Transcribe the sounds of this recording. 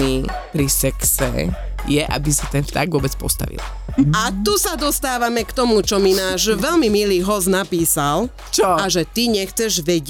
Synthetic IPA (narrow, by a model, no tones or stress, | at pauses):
iːpɾisɛksɛ̰ | jɛʔa̰bisat̪ɛnft̪a̰ɡʋʊɔbɛt͡spɔ̰st̪a̰ʋḭl | at̪usad̪ɔst̪aːʋamɛkt̪ɔmut͡ʃɔminaːʒʋɛlmimiliːɦɔznapiːsal | t͡ʃɔaʒɛt̪iɲɛxt͡sɛʒʋɛɟ